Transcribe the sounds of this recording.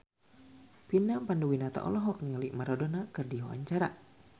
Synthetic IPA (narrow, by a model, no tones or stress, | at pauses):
pinapanduwinat̪a̰ʔɔ̰lɔɦɔk̚nialiʔmaɾɔdɔnakɨrdiɔʔa̰ɲt͡ʃaɾa